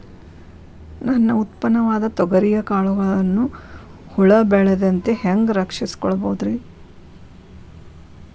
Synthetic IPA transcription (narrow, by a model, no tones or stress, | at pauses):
nɐnːɐut̪pɐnɐʋaːd̪ɐt̪ɔɡɐɾijɐkaːɭuɡɐɭɐnːu | huɭɐbɛɭed̪ɐnt̪eheŋɡɾɐkʂisi̥kɔɭɐboːd̪ɾe